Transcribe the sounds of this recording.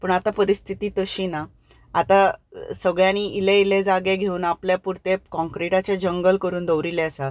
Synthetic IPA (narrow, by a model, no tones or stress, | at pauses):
pəːɳat̪apəɾist̪ʰit̪iːt̪əɕiːna | at̪asəɡɭjãniileiled͡zaɡeɡʱeuːnapljapuɾt̪ekɔ̃ŋkɾiʈat͡ɕed͡ʑəŋɡəlkəɾuːnd̪əʋɾilɛəsa